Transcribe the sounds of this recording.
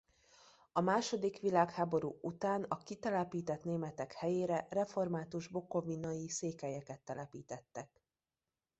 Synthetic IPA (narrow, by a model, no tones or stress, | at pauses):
ɒmaːʃo̞d̪ikʋilaːkhaːbo̞ɾuːut̪aːnɒkit̪ɛlɛpiːt̪ɛt̪neːmɛt̪ɛkhɛjeːɾɛrɛfo̞rmaːt̪uʒbo̞ko̞vinɒjiseːkɛjɛkɛt̪ːɛlɛpiːt̪ɛt̪ːɛk̚